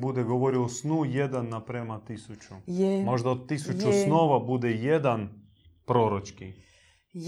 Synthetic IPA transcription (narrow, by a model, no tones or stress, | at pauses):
bud̪eɡoʋoɾiosnujed̪anːapɾemat̪isut͡ʃumo̞ʒd̪aod̪̚t̪ːisut͡ʃusnoʋabud̪ejed̪an | pɾoːɾot͡ʃki